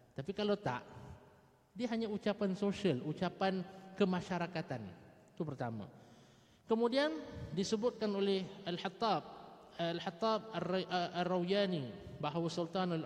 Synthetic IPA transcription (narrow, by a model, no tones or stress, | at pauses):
t̪apikalat̪a̰ʔ | diaɦaɲãut͡ʃapansoʃiəlut͡ʃapankəmãʃaɾakat̪an | t̪upərt̪amã̰ | kəmudiandisəbʊt̪̚kanolɛhalħat̪ːab̚lħat̪ːab̚ararːawjanibaɦwasult̪anal